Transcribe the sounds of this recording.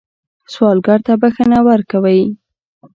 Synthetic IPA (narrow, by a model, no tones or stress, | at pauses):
swɑlɡɑɾt̪abaxənawaɾkawəj